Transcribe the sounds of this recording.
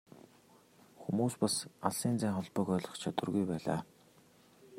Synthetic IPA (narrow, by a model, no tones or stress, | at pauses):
xumuːspasaɮsiːnt͡sæːŋχɔɮpɞ̆kœːɮɞ̆χt͡ɕʰat̪ə̆rɣujpæːɮa̰ː